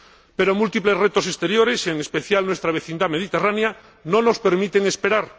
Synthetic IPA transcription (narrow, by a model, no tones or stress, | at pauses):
peɾomult̪iple̞zret̪o̞sest̪eɾjoɾeseŋespeθjalnwest̪ɾaβ̞eθind̪ameð̞it̪eranea | nõno̞speɾmit̪eŋespeɾaɾ